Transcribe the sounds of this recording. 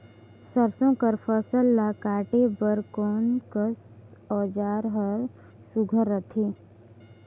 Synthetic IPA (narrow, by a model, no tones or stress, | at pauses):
səɾsõkəɾpʰəsəlːakaːʈebəɾkɔːnkəs | ɔːd͡ʒaːɾɦəɾ | sʊɡʱəɾːət̪ʰiː